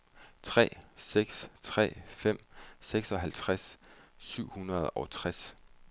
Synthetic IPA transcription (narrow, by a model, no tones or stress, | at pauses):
t͡sʰʁɛ̰ːseɡ̥st͡sʰʁɛ̰ːfem̰seɡ̥sɒ̽ɦælt͡sʰʁassyʊ̰hunʁɐð̞̩ˠɒt͡sʰʁas